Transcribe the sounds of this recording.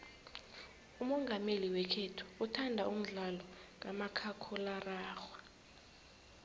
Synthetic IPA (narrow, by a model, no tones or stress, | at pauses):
umɔŋɡʱameliwɛkʰɛtʰu̥utʰandʱa̰ʔum̩ɮalɔŋʼamakʰakʰɔlaraːxwa